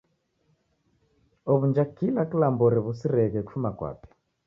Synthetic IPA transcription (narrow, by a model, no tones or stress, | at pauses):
ɔβund͡ʒakilakilambɔɾiβusiɾɛɣɛku̥fumakwa̰pɛ̥